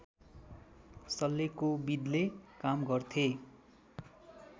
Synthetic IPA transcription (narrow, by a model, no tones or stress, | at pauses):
sʌlːekobid̪lekamɡʌrt̪ʰe